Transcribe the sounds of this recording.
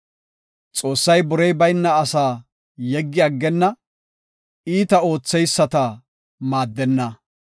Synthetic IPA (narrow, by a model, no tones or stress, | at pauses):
t͡sʼo̞ːsːɐjbɔɾɛjbɐjnːɐːsaː | jɛɡːɪɐɡːɛnːɐ | iːt̪ɐo̞ːt͡sːɛjsːɐt̪ɐ | maːd̪ːɛnːɐ